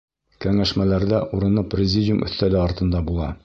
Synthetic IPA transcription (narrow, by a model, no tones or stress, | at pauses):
kæŋæʃmælæɾd̪æʔuɾɤ̆nɤprʲɪzʲɪdʲɪumʔɵ̰̆θt̪ælɘɒɾt̪ɤ̆nd̪ɑbulˠɑ̰